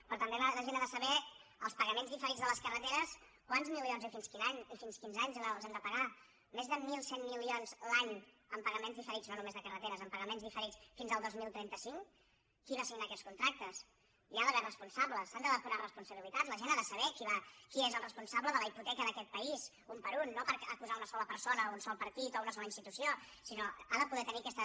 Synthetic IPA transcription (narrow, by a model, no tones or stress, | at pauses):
pɾɔt̪əmbeələʒenaðəsəβɛəlˠspəɣəmenzðifəɾid͡zzðələskərət̪eɾəs | kwanzmilionzifinskinaɲifinskinzaɲzalˠzand̪əpəɣa | mezðəmilˠsenːilionzlaɲ | əmpəɣəmẽnzðifəɾid͡znonumezðəkərət̪eɾəzəmpəɣəmenzðifəɾit͡sfinzəlˠd̪ozmilˠt̪ɾɛnt̪əsiŋ | kiβasiɡnaːkɛskunt̪ɾak̚t̪əs | iaðəβɛrəspunsabləsand̪əðəkuɾarəspunsəβilit̪azləʒenaðəsəβ̞ɛkiβakiezəlˠrəspunsabləðələiput̪ɛkəðəkɛt̪̚pəiz | umpəɾunːopəɾəkuzaunəsɔləpəɾsonəunsɔlˠpəɾt̪it̪ounəsɔləinst̪it̪usiosinoaðəpuðɛt̪əniəkɛst̪ə